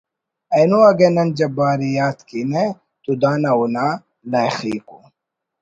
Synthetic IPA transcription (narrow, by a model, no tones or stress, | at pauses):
ɐnuɐɡenɐnd͡ʑɐbaːɾijaːt̪kine | t̪ud̪aːnɐuna | nɐjxḭːku